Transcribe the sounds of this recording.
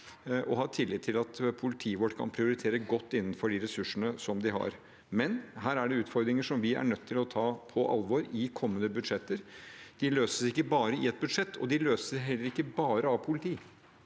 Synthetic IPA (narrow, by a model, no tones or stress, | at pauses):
ʔɔɦɑːt̪ʰɪlːɪt̪ʰːɪlɑt̪pʰʊlɪt̪ʰiːəʋɔʈːkʰɑ̰npʰɾɪʊɾɪt̪ʰeːɾəɡɔt̪ːɪnːənfɔɖɪɾɛsʉʂːəɳəsɔmd̪ɪɦɑ̰ɾ | mɛnɦæːɾæɖɛʉːt̪fɔɾd̪ɾɪŋəʂɔmʋɪæ̰ɳœt̪ʰːɪlɔt̪ʰɑːpʰɔʔɑ̰lʋoɾɪkʰɔmːənəbʉd̪ʂɛt̪ːəɾd̪̥ɪløːsə̥sɪkːəbɑːɾəɪɛt̪̚bʉd̪ʂɛt̪ːɔ̰d̪ɪløːsəɦɛlːəɾɪkːəbɑːɾəɑʋpʰʊlɪt̪ʰiː